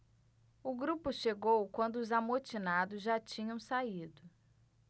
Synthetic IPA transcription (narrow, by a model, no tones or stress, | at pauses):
ʊɡɾupʊʃeɡowkwɐ̃nd̪ʊːzamot͡ʃinad̪ʊzʒat͡ʃĩɲɐ̃w̃said̪ʊ